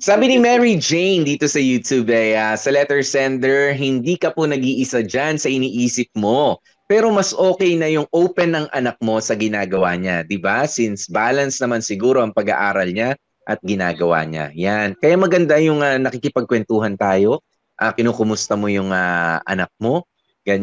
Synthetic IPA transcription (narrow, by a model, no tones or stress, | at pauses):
saːbɪnimɛɹid͡ʒejnd̪iːt̪o̞sɐjuːt̪jubɐjasɐlɛt̪ɛɹsɛnd̪ɛɹɦɪnd̪iːkɐponɐɡiːʔɪsad͡ʒansɐʔɪniːʔiːsɪp̚mo̞ | pɛːɾo̞mɐsʔoːkɛjnɐjʊŋʔowpɛnːɐŋʔɐnɐk̚mo̞sɐɡɪnaːɡɐwaɲad̪ɪbasɪnsbaːlɐnsnɐmansɪɡuːɾo̞ʔɐŋpɐɡa̰ʔaːɾɐlɲa | ʔɐt̪̚ɡɪna̰ːɡɐwa̰ɲa̰jankɐjamɐɡɐnd̪ajʊŋanɐkikɪpɐɡ̚kwɛnt̪uːhɐnt̪aːjo̞ | ʔakɪnoːkʊmʊst̪ɐmo̞jʊŋaʔɐ̰nɐk̚mo̞ | ɡɐ